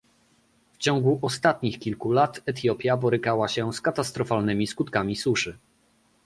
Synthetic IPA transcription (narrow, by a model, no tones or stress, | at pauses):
ft͡ɕɔ̃ŋɡuʔɔst̪at̪ɲixkʲilkulat̪ɛt̪̬jɔpʲjabɔɾɘkawaɕɛskat̪ast̪ɾɔfalnɘmʲiskut̪kamʲisuʂɘ